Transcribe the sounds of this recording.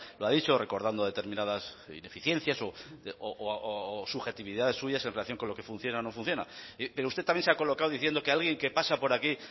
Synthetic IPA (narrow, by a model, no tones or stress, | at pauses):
loaðit͡ʃo̞re̞ko̞ɾðand̪oð̞e̞t̪e̞ɾmĩnað̞asḭne̞fiθjen̟θjaso̞o | suβxe̞t̪iβiðaðe̞sːuʝase̞nreaθjo̞ŋko̞nlo̞ke̞fun̟θjo̞nanofun̟θjo̞nape̞ɾoust̪e̞t̪amje̞nseako̞lo̞kawðiθje̞nd̪o̞kealɣje̞ŋke̞pasapo̞ɾaki